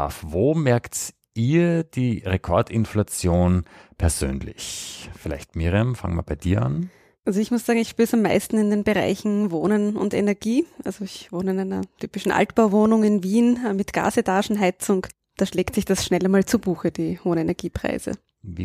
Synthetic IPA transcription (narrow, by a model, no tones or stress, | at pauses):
fvoːmɛɐkt | ʔiːɐd̥iːʁekʰɔɐtɪnflat͡sjoːnpʰɛɐz̥ø̰ːnlɪ̰çfɪlæ̰ɪçtmiʁiamfa̰ŋəma̰ɐb̥aɪd̥iːɐa̰n | ʔalzoɪçmʊsz̥aːɡŋ̩ɪçʃpyːsamːa̰ɪstn̩ɪndeːnbəʁa̰ɪçn̩voːnənʊ̰ndḛnɛɐɡ̥iːʔalzoɪçvoːnəɪnæɪnɐ̰tʰyːpɪʃn̩ʔa̰ltb̥aʊvoːnʊŋɪnviːnmɪtɡ̥a̰ːsetʰaːʃn̩ɦaɪt͡sʊŋ | d̥aːʃleːktsɪçd̥asʃnɛlmaːlt͡subuːxəd̥iːhoːənenɛɐɡ̥iːpʁ̥a̰ɪzə̰